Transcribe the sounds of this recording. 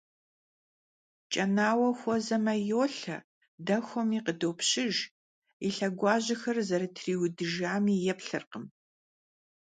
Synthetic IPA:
t͡ʃʼɐnaːwɐxʷɔzɐmɐjoːɬɐ̰ | dɐxʷɔmiːqədoːwpɕɪʒ | iɬɐɡʷɑːʑɐxɐrzɐɾɨtʰriːwʊdɨʒaːmiːjɛpɬɨrqəm

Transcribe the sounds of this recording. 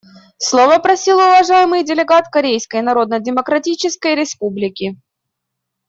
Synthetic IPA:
slˠovəpɾɐsʲilˠəʊvɐʐajɪmɨjdʲɪlʲɪɡat̪kɐɾʲejskəjnɐɾo̞d̪nədʲɪməkɾɐtʲit͡ɕɪskəjɾʲɪspublʲɪkʲɪ

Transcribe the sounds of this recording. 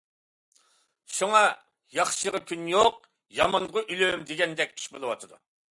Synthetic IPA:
ʃuŋɑ | jɑχʃəʁɑkʲʰynjoq | jɑmɑnʁəʔylømd̪eɡʲɛnd̪ɛk̚ʲʰːi̥ʃbolˠɨwɑt̪ʰɨd̪ṵ

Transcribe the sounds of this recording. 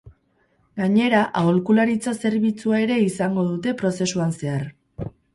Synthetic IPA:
ɡaɲe̞ɾaʔaolkulaɾit͡sase̞ɾβ̞it͡suae̞ɾe̞isaŋɡo̞ðut̪e̞pɾo̞se̞suanse̞aɾ

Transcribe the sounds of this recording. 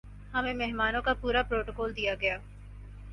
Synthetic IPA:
hɐmẽmeɦmaːnõkapuːɾapɾoːʈokɔːld̪ijaɡɐjaː

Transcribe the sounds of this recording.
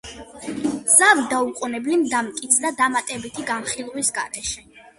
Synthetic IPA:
z̥avid̪auqʼunɛblimd̪amt̪kʼit̪sʰd̪ad̪amat̪ʼɛbit̪ʰiɡanχilˠwisɡa̰ɾɛʃɛ

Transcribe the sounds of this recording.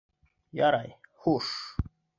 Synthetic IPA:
jaɾajhuʂ

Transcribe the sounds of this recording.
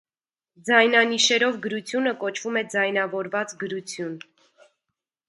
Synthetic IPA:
d͡zɑjnɑniʃɛɾɔvɡəɾut͡sʰjunəkɔt͡ʃʰv̥umɛd͡zɑjnɑvɔɾvɑt͡sɡəɾut͡sʰjun

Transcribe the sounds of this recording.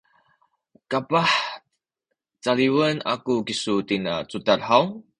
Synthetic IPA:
kapah | t͡saliwəna̰kukisut̪inat͡sut̪at̪̚haw

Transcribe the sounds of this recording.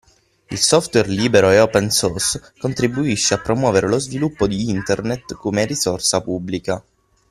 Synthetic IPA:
ilsɔft̪wɛrliːbeɾoeɔpɛnsɔrskont̪ɾibuiʃːeapːɾomwɔːveɾelozvilupːod̪iint̪ernet̪komerizorsapubːlika

